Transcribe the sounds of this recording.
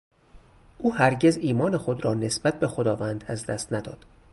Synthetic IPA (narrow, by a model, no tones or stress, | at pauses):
ʔuːhæɾɟe̞ziːmɒːne̞xo̞d̪ɾɒːne̞sbæt̪̚ʰbe̞xod̪ɒːvænd̪æzd̪æst̪næd̪ɒ̰ːd̪̥